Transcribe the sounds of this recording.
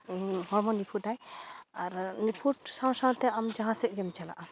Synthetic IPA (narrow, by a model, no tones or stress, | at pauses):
hɔɾmɔnipʰuʈajaɾnipʰuʈsaw̃saw̃t̪ɛamd͡ʒaɦãsɛk̚ˀɡɛmt͡ʃala̰ʔa